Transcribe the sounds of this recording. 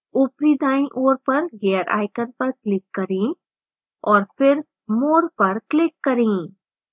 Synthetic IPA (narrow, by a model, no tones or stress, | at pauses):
ʊpɾid̪aːĩʔoːɾpɐɾɡejəɾʔa̰ːɪkənpɐɾklɪkːɐɾẽː | ɔːɾfʰɪɾ | moːɾpɐɾklɪkːɐɾẽː